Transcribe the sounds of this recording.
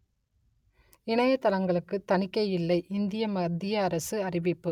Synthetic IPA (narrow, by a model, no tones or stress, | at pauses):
ɪɳɐjɐt̪ːɐlɐŋɡɐɭɯkːɯt̪ɐnɪkːɐjɪlːɐɪʔɪnd̪ɪjɐmɐd̪ːɪjɐːɾɐsɯɐrɪʋɪpːɯ